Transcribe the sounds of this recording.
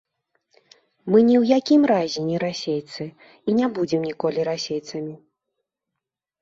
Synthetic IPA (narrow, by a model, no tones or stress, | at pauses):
mɨnʲiwjakʲimɾazʲɛnʲiɾasʲejt̪sɨ | inʲabud͡zʲɛmnʲikɔlʲiɾasʲejt̪sɐmʲi